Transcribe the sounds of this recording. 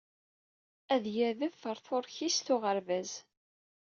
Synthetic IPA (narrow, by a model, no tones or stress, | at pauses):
æðjəɾðəvːəɾˤθʊɾˤçisθʊʁəɾvæz